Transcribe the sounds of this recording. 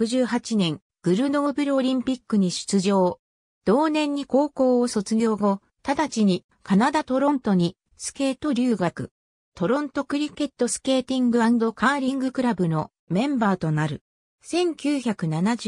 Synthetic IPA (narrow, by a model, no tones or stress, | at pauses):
kɯ̟ʑɨːɦat͡ɕinẽ̞ŋ | ɡ̥ɯ̟ɾɯ̟no̞ːbɯ̟ɾɯoɾʲĩmpʲikːɯ̟ɲ̟iɕɨ̥t͡sɨʑo̞ː | d̪̥o̞ːnẽ̞ɲ̟ːiko̞ːko̞ːso̞t͡sɨɡʲo̞ːɡo̞ | t̪ad̪at͡ɕiɲ̟i | kanad̪at̪o̞ɾõ̞nt̪o̞ɲ̟i | sɨ̥ke̞ːt̪o̞ɾʲɯːɡakɯ̟ | t̪o̞ɾõ̞nt̪o̞kɯ̟ɾʲike̞t̪ːo̞sɨ̥ke̞ːt̪ʲĩŋɡɯ̟ãnd̪o̞kaːɾʲĩŋɡɯ̟kɯ̟ɾabɯ̟no̞ | mẽ̞mbaːt̪o̞naɾɯ̟ | sẽ̞ŋkʲɨːçakɯ̟nanad͡ʑ